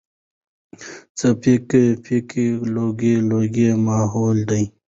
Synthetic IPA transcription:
t͡sɐpʰikepʰikiloːɡeloːɡemaːɦoːld̪əj

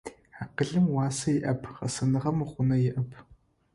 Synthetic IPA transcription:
ħaːqəɮɨmwɑːsɐjɪʔɐpʰχɐ̰sɐnɨʁɐmɨχʷʊnɐjɪʔɐpʰ

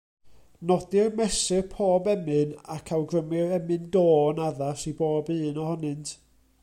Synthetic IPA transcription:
nɔdɪrmɛsɨrpʰoːbɛmɨnakʰawɡrəmɪɾɛmɨndoːnaðasiboːbɨːnɔhɔnɨntʰ

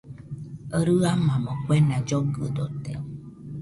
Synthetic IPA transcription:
əɾɨamãmõkʷenãd͡ʒoɡɨd̪ot̪ḛ

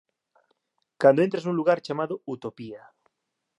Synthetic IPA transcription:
kand̪oent̪ɾasnũnluɣaɾt͡ʃamaðout̪opia

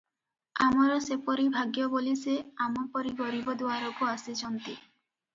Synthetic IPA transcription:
amaɾɔsepɔɾibʱaɡjoboliseamɔpɔɾiɡɔɾibɔd̪uaɾokoasid͡ʒɔnt̪i

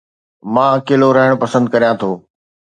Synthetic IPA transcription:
mãːkeːloɾɐɦɪɽ̃pɐsə̃nd̪̚kɐɾijãt̪ʰoː

